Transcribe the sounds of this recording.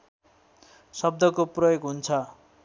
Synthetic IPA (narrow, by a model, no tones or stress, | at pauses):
sʌb̚d̪ʱʌkoprʌjoɡɦunt͡sʰʌ